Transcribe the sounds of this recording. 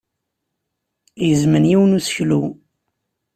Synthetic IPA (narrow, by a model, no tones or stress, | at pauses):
jəzmənjiwnusçlṵ